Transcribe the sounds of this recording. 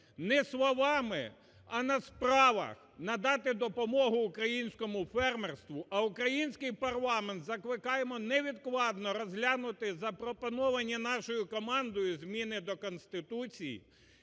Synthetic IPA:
nɛslˠɔʋɑmɪ̰ | ɐnɐspɾɑʋɐ̰x | nɐd̪ɑt̪ɪd̪ɔpɔmɔɦʊːkɾɐjinʲsʲkɔmʊfɛrmerst̪ʋʊʔɐʊkɾɐjinʲsʲkɪjpɐrlˠɑment̪zɐklˠɪkɑjemɔnɛʋʲid̪klˠɑd̪nɔɾɔzʲɦlʲanʊt̪ɪzɐpɾɔpɔnɔʋɐnʲːinɑʃɔjʊkɔmɑnd̪ɔjʊzmʲinɪd̪ɔkɔnst̪ɪt̪ut͡sʲijḭ

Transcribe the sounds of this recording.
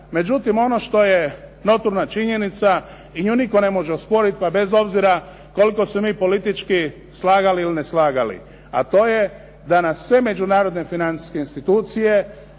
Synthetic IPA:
me̞d͡ʒut̪imo̞no̞ʃt̪o̞je | no̞t̪uɾnat͡ʃiɲe̞nit̪sa | iɲuniko̞ne̞mo̞ʒeospo̞ɾit̪̚pabe̞zo̞bziɾa | ko̞liko̞semiːpo̞lit̪it͡ʃki | slaːɡaliilineslaːɡalḭ | at̪o̞ːje̞ | d̪anassːʋe̞me̞d͡ʒunaːɾo̞d̪nefinant̪i̥skeinst̪it̪uːt̪sije̞

